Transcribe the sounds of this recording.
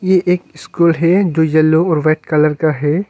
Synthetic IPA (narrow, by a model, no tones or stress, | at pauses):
jeʔeːkɪskuːlɦɛd͡ʒoːjɐlːoɔːɾʋɛːʈkɐləɾkaɦɛː